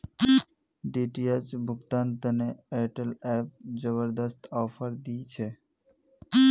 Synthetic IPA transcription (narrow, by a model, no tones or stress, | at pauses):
ɖiʈijat͡ʃbʱʊɡt̪ant̪əneeʈəlɛp̚d͡ʒəβəɾd̪əst̪ɔːpʰəɾd̪ijt͡ʃʰe